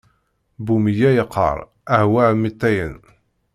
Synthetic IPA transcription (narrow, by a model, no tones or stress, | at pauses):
bumijæjəqʰːə̰ɾˤ | æhwæʕmːit̪ːæjə̰n